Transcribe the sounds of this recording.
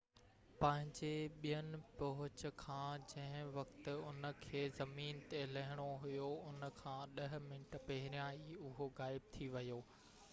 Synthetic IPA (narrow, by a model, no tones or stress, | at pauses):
pɐ̃ɦɪ̃ɲd͡ʑeɓijənɪ̆pɐɦʊt͡ɕ̆kʰãːd͡ʑɐ̃ɦɪ̃ʋɐkt̪ɪ̆ʊnə̆kʰeːzɐmiːnt̪elɐɦɪɽ̃oɦʊjoʊnə̆kʰãːɗɐɦɪ̆mɪɳʈpɐɦɪɾjãːiʊɦoɣaːɪb̚t̪ʰiʋɐjoː